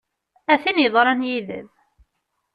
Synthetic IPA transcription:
æθinjəðˤɾˤɑnjiðə̰ð

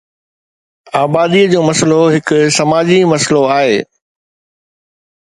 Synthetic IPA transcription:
aːbaːd̪iəd͡ʑoːmɐsəloɦɪkʊ̆sɐmaːd͡ʑimɐsəloaːɦeː

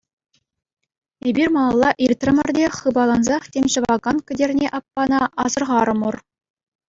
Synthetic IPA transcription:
ebʲirʲmɑlˠɑlˠːɑʔirʲt̪rʲɘ̆mʲɘ̆rʲdʲeχɯbɑlˠɑnzɑχtʲemʲɕɤ̆ʋɑɡɑnkʲɘ̆dʲerʲnʲeʔɑpːɑnɑʔɑzɤ̆rʁɑɾɤ̆mur

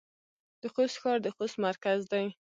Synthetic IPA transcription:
d̪̥əxost̪xɑɾd̪əxost̪maɾkazd̪aj

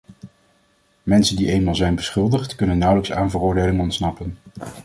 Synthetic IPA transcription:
mɛnsəndiʔejnmaːlˠzɛjnbəsχɵlˠdəχtkɵnənːʌwləksa̰ːnvərʊːɹdejlɪŋɔntsnɑpən

